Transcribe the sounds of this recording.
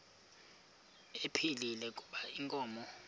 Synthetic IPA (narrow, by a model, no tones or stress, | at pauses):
epʰililɛkʼuɓaiŋkʼɔːmɔ